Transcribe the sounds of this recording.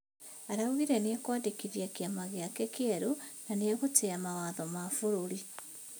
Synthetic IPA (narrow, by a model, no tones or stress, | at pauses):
aɾauɣiɾeneekwaːdekiɾjakjamaɣeakekeɾonaneeɣoteamawaðɔmafuɾuɾi